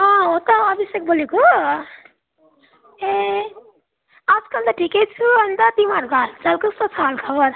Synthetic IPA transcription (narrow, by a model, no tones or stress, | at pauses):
ʌ̃ot̪ʌʌbisek̚boleko | e | ʌskʌlt̪ʌʈʰiket͡sʰuʌnt̪ʌt̪imaɾɡalt͡sʌlkust̪ʌt͡sʰalkʰʌbʌɾ